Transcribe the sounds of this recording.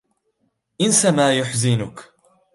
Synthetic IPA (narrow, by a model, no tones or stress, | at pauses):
ʔɪnsamaːjʊħzɪnʊk